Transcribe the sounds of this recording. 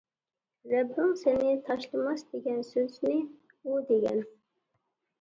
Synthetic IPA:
ɾɛbːɪŋsenɪt̪ʰɑʃlˠɨmɑsd̪eɡʲɛnsøznɪ | ud̪eɡʲɛ̰n

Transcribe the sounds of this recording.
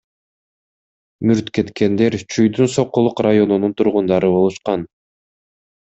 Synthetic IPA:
myɾt̪ke̞t̪ke̞nd̪e̞ɾt͡ʃʰujd̪ynso̞qːulˠuqrajo̞nununt̪ʰuɾʁund̪ɑɾɯβo̞lˠuʃqɑn

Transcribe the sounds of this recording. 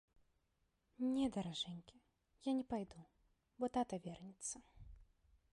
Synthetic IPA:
nʲɛd̪ɐɾaʐɛnʲkʲi | janʲɛpajd̪u | bɔt̪at̪ɐvʲɛrnʲit̪sːɐ

